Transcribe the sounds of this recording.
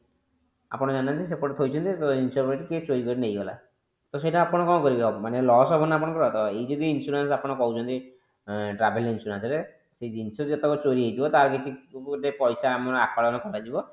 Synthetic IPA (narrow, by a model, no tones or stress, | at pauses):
a̰pɔɽ̃ɔd͡ʒanant̪ʰis̬epoɾʈt̪ʰojt͡ʃʰɔnt̪it̪oinsɔɾbɔɾeʈiket͡ʃoɾikɔɾinejɡɔla̰ | t̪os̬eiʈaapɔɽ̃ɔkɔmkɔɾibebɔmanelɔɦɔsɔbʱɔnap̬ɔɽ̃ɔ̃kɔɾɔt̪ʰɔbɔejd͡ʒɔd̪iːnsuɾens̬apɔɽ̃ɔkɔɦut͡ʃʰɔnt̪i | ʈɾabʱelinsuɾansɔɾe | sejd̪insʰɔd͡ʒet̪ekɔt͡ʃoɾiɦejt̪ibɔt̪aɾkekid̪epɔjsamɔnɔakʰaɽɔnɔkʰɔɾajd͡ʒibɔ